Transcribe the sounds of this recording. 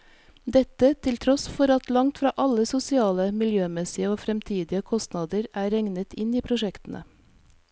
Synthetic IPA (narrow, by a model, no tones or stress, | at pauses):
d̪ɛt̪ət̪ʰɪlt̪ʰɾɔsfɔɾɑt̪lɑŋt̪fɾɑːʔɑləsʊsɪɑːləmɪljøːmɛsɪəoːfɾɛmt̪ʰiːd̪ɪəkʰɔst̪nɑːd̪əɾæːɾɛŋnət̪ʰɪniːpʰɾʊʃɛkt̪n̩ʔə̰